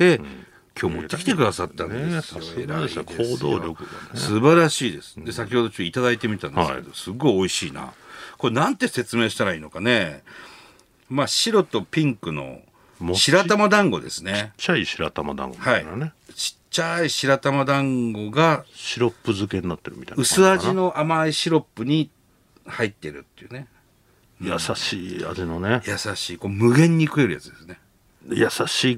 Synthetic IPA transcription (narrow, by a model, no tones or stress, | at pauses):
t̪e̞ | kʰʲo̞ːmo̞̰t̪ːekʲi̥t̪e̞kɯ̟d̪asat̪ːãnd̪esjoeɾaeoːd̪oːɾʲokɯanssɨbaɾaɕiːd̪e̞sɨ̥d̪e̞sakʲiho̞d̪ot͡ɕot̪ːit̪ad̪ait̪e̞mʲit̪ãndsɨke̞d̪osɨɡo̞io̞iɕiːna̰ko̞ɾenãnt̪e̞se̞t͡sɨme̞ːɕi̥t̪aɾaiːno̞kane̞ | maɕiɾo̞t̪o̞pʲĩŋkɯ̟no̞̰ | mɕiɾat̪amad̪ãŋɡo̞̰d̪e̞̰sɨne̞t͡ɕːaiɕiɾa̰t̪ama̰d̪ã̰ŋɡohaine | t͡ɕi̥t͡ɕːaiɕiɾat̪amad̪ãŋɡo̞ɡaɕiɾo̞pːɯzɨkeɲninat̪ːeɾɯ̟mʲit̪a̰nɯ̟sɨaʑino̞ʔamaiɕiɾo̞pːɯ̟ɲ̟i | hait̪ːe̞ɾɯ̟t̪ːeiɯ̟ːne̞ | ja̰saɕiːa̰d͡ʑinonejasaɕiːko̞ːmɯ̟ɡẽ̞ɲ̟ːikɯ̟e̞ɾɯ̟ja̰t͡sɨd̪e̞sɨne̞ | jasaɕiː